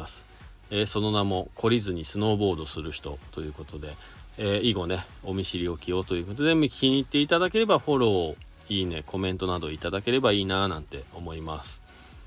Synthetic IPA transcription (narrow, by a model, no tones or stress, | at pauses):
asɨ̥ | eːso̞no̞namo̞kʰo̞ɾʲizɨɲ̟isɨno̞ːbo̞ːd̪o̞sɨɾɯ̟çi̥t̪o̞t̪o̞jɯ̟ːko̞t̪o̞d̪e̞ | eːiɡo̞ne̞ | o̞mʲiɕiɾʲio̞kʲio̞t̪o̞jɯ̟ko̞t̪o̞d̪e̞mɯ̟iɲ̟it̪ːe̞it̪ad̪ake̞ɾe̞baɸo̞ɾo̞ː | iːne̞kʰo̞mẽ̞nt̪o̞nad̪o̞it̪ad̪ake̞ɾe̞baiːnanãnt̪e̞o̞mo̞imasɨ̥